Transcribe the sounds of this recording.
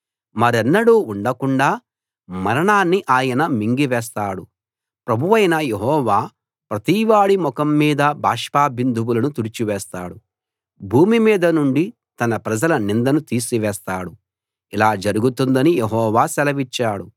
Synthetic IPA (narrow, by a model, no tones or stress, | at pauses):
mɐɾɛnːɐɽuːuɳɖɐkuɳɖaː | mɐɾɐɳaːnːiʔaːjɐnɐmiŋɡiʋɛːs̬t̪aːɽu | pɾɐbʱuʋɐjnɐjeɦɔːʋaː | pɾɐt̪iːʋaːɽimɔkɐmːiːd̪ɐbʱaːʂpaːbind̪ʱuwulɐnut̪uɽit͡ʃiʋɛːst̪a̰ːɽu | bʱuːmimiːd̪ɐnuɳɖi | t̪ɐnɐpɾɐd͡ʒɐlɐnind̪ɐnut̪iːsiʋɛːst̪aːɽu | ilaːd͡ʒɐɾuɡut̪und̪ɐnijeɦɔːʋaːsɛlɐʋit͡ʃːaːɽu